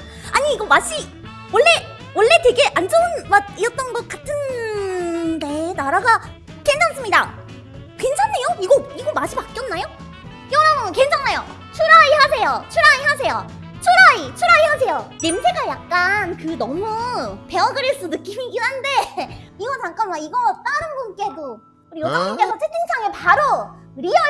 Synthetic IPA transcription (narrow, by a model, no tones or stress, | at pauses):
aɲiːɡʌmaɕ͈ʰi | wʌɭːe̞ | wʌɭːe̞twe̞ɡe̞ʔand͡ʑʌnmaiɾʌt͈ʌnɡʌk͈atʰɯn | de̞naɾaɡa | kend͡ʑʰaŋs͈ɯmɲida̰ | kwe̞nt͡ɕʰaŋnejoiɡʌiɡomaɕʰipak͈̚jʌnːajo | ʌɾaŋnkend͡ʑʰaŋnajo | t͡ɕʰuɾaiɦas̬ʰe̞jot͡ɕʰuɾaiɦasʰe̞jo | t͡ɕʰuɾait͡ɕʰuɾaihasʰe̞jonemsʰeɡajak̚k͈ankɯnʌmupe̞wʌɡɯɾeɭs͈ɯnɯk͈imiɡinɦande̞ | iɡʌt͡ɕaŋk͈anmaiɡʌt͈aɾɯnɡonk͈edo | kɯɾijodaŋik͈esʰʌt͡ɕʰekʰɯnt͡ɕʰaŋepaɾoɾiʌ